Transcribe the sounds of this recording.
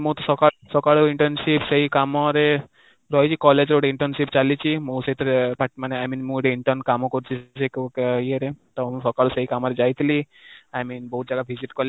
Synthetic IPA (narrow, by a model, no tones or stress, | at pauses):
mõt̪ɔsɔkasɔkaɭuiɳʈəɾnsipseɦikamɔɾe | ɾɔɦjt͡ʃʰikɔled͡ʒɾoʈeiɳʈəɾnsipt͡ʃalit͡ʃʰimõuseɦit̪ʰɾepaʈmaneajminmũʈeiɳʈəɾnkamɔkɔɾt͡ʃʰisekkjeɾet̪ɔmũsɔkaɭuseɦikamɔɾed͡ʒajt̪ʰli | ajminbɔɦut̪̚d͡ʒaɡabʱiziʈkɔɾl